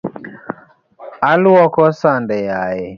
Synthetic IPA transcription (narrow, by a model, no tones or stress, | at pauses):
alwɔkɔsandɛjajɛ